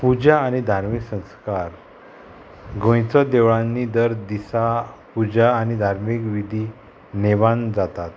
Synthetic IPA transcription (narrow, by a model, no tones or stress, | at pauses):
pud͡ʑaːñid̪ʱaɾmiksə̃skaɾ | ɡõjt͡sɔd̪eʋɭãnːid̪əɾd̪isapud͡ʑaːnid̪ʱaɾmikʋid̪ʱi | neʋand͡zat̪at̪